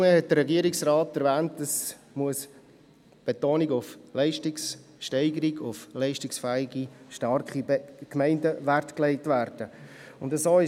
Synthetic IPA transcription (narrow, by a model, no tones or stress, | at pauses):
ŋəhɛt̚d̥əɾːɛɡiəɾɪksrɑːtæɾvæːntəs | muəs | b̥etoːniɡʊflɛɪʃtɪks | ʃtɛɪɡəɾiɡʊflɛɪʃtɪksfæːɪɡiʃtɑɾkχikmɛɪndəʋæɾtklɛɪtʋæːɾd̥əʊndəsoːɪ